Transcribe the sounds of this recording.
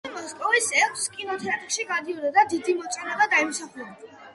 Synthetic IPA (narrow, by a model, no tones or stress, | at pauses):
imɔskʼɔvisɛɾt̪ʰskʼinɔt̪ʰɛap̪ʰχʃiɡad̪iɔd̪ad̪ad̪id̪imɔt̪sʼɛnabad̪aimsaχlɛbi